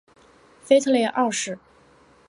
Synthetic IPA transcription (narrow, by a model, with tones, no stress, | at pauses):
fe˥ɪt̪ʰɤ˥˧ljɛ˥˧ʔɑ˥˧ʂɻ̩˥˩